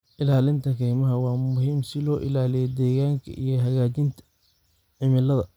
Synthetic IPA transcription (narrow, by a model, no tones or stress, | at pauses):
ʔɪlaːlɪnt̪ʰɐkʰɛːjmɐɦɐwɑːmʊɦiːmsɪlɔːʔɪlaːlɪjɛd̪ɛːɣaːŋkʰɐ̰ʔijɞɦɐɣaːt͡ʃɪnt̪ʰɐ̥ | ʕɪmɪlɐðɐ